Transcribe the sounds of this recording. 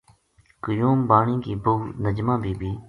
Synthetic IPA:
kəjuːmbaːɳĩːkiːbʊnəd͡ʒmãːbʱiːbʱiː

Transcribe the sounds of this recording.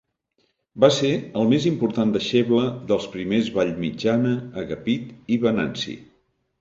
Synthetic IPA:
baseəlˠmezimpuɾt̪and̪əʃeβləðəlˠspɾimezβaʎmid͡ʒanəːɣəpit̪iβənansḭ

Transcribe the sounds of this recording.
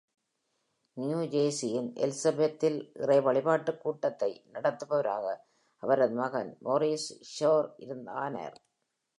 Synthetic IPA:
nɪjuːd͡ʒeːsɪjɪnʔɛ̰lsɐbet̪ːɪlʔɪ̰rɐɪʋɐɭɪpaːʈːɯkːuːʈːɐt̪ːɐɪnɐɽɐt̪ːɯpɐʋɐɾaːɣɐ | ʔɐʋɐɾɐðmɐɣɐnmoɾisʃoːɾɪ̰ɾɯnd̪a̰ːnɐ̰ɾ

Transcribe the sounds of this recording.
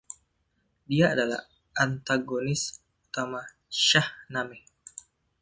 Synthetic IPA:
diaadala̰h | ʔant̪aɡonɪs | ut̪ama | ʃahnami

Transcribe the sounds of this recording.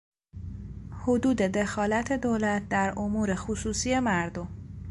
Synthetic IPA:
hod̪uːd̪e̞d̪e̞xɒːlæt̪ʰe̞d̪olæt̪̚ʰd̪æɾʔomuːɾe̞xusuːsiːje̞mæɾd̪o̞m

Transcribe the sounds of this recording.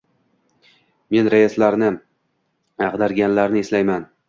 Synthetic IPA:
me̞nɾajaslaɾnɪ | ɑʁd̪aɾɡʲanlaɾnɪeslajman

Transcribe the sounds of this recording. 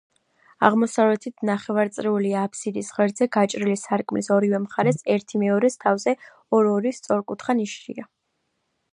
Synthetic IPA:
a̰ʁmɔsavlɛt̪ʰit̪ʰnaχɛvaɾt̪sʼɾiuliaːpʰsid̪isʁɛɾd̪zɛɡat͡ʃʼɾilisaɾkʼmlisɔɾivɛmχaɾɛsɛɾt̪ʰimɛɔɾɛst̪ʰavzɛ | ɔɾɔɾist̪sʼɔɾkʼut̪ʰχaniʃʃḭa

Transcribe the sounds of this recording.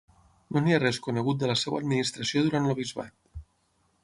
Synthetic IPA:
noniarɛskunəɣut̪̚d̪ələsɛwə̰ːd̪minist̪ɾəsioðuɾant̪ləβ̞izβa̰t̪̚

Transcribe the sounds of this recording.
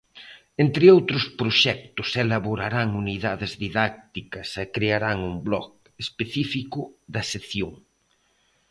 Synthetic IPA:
ent̪ɾɪowt̪ɾʊspɾoʃɛk̚t̪ʊselaβoɾaɾaŋuniðaðɪzðiðak̚t̪ikɐsɛkɾeaɾaŋumblɔ̰k̚ | espeθifikʊðɐseθjoŋ

